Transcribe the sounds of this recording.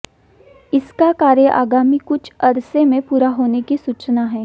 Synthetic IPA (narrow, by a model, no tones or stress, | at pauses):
ɪskakaːɾə̃ʔa̰ːɡaːmikʊt͡ʃʰɐɾsemẽpuːɾaɦoːnekisuːt͡ʃnaɦɛː